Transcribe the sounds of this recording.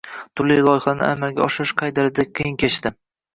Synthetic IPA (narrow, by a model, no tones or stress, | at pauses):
t̪ʰʊɾlːijlˠɒjɪχanɪ̰ʔa̰malɡʲaɒʃɪɾɪʃqʰɑjd̪aɾɪd̪ak̚ʲqʰijɪnkʲʰet͡ʃt̪ɪ